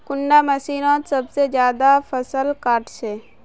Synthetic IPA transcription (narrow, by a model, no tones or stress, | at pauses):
kʊɳɖaməsiːnõːsəbsed͡ʒjaːd̪apʰəsəlkaːɾʈseː